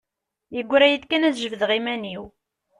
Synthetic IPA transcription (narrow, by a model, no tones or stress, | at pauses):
jəɡʷːɾæjiθkænæðʒəvðʁimæniw